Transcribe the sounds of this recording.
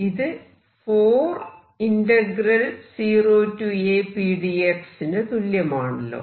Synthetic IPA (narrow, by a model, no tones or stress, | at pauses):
iðɨ | foːr | indɐɡrɐlsiːroːtːueːpiːɽieksindet̪uljɐmaːɳɐlːo̰ː